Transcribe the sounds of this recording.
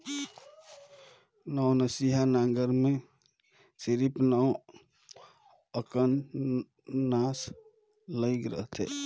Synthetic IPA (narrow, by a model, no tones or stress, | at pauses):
nɔwnəsiɦanaŋɡəɾme | siɾipnɔw | əkən | as | ləjkɾə̰ɦt̪ʰɛ̰